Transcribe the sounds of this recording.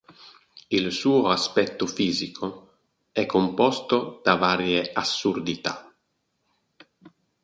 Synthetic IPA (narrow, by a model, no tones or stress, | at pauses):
ilsuːoaspɛt̪ːofiːzikʰo | ɛkʰːompɔst̪od̪̥avaːɾjeasːurd̪it̪a